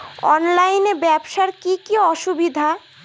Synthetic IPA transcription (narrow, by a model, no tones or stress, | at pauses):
ɔ̰nlajnebɛbʃaɾkikiɔʃubid̪ʱa